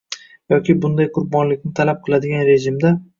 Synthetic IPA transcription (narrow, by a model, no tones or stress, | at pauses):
jɒkʲɪbʊnd̪ajqʰʊɾbɒnlɪkʲnɪt̪ʰalap̚qʰɨlˠad̪ɪɡʲanɾe̞ʒɪmd̪a